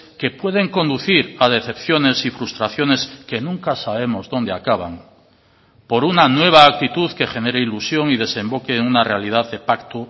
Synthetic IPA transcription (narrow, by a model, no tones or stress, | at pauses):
ke̞pwe̞ð̞e̞ŋko̞nd̪uθiɾað̞e̞θe̞pθjo̞ne̞sifɾust̪ɾaθjo̞ne̞ske̞nũŋkasaβ̞e̞mo̞zðo̞nd̪eakaβa̰ŋ | po̞ɾunanwe̞β̞aːk̚t̪it̪uðke̞xe̞ne̞ɾeilusjo̞ŋið̞e̞sẽ̞mbo̞keːŋunarealið̞aðe̞pakt̪o